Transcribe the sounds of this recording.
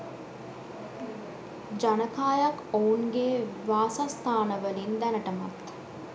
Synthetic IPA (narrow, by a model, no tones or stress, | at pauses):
d͡ʒanəkaːjakouŋɡeʋaːsast̪ʰaːnəʋəlind̪ænəʈəmat̪